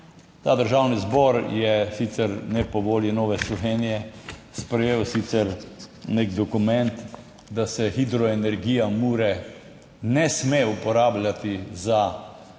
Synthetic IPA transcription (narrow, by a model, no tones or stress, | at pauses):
t̪aːd̪əɾʒawnizbɔɾjɛsit̪sɛɾnɛpɔʋoːlinɔːʋɛslɔʋeːnijɛspɾɛjeːwsit̪sɛɾneɡd̪ɔkumɛ̃nt̪ | d̪asɛxid̪ɾɔenɛɾɡiːjamuːɾɛ | nɛsmeupɔɾaːblʲat̪iza